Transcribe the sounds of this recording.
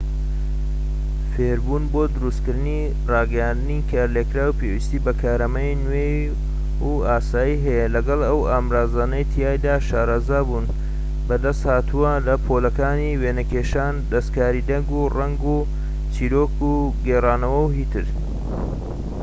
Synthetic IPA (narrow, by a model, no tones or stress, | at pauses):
feːɾbuːnboːd̪ʊɾust̪kɨɾd̪ni | rɑːɡɐjaːnd̪ɨnikʰaːɾlekɾaːwpeːwist̪iːbɐkʰaːɾɐmɐjnwe | u | aːsaːjiɦɐjɛlɐɡɐlˠɐwaːmɾaːzaːnɐjt̪ʰijaːjd̪aːʃaːɾazaːbuːn | bɐd̪ɐst̪haːt̪ʰuwɐlɐpʰolɐkaːniweːnɐkeːʃaːnd̪ɐst̪kaːɾid̪ɐŋɡurɐŋɡuː | t͡siːɾoːkuɡeːraːnɐwɐwɦiːt̪ʰɨɾ